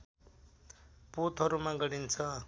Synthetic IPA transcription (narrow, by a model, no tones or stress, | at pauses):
pot̪ɦʌɾumaɡʌɽint͡sʰʌ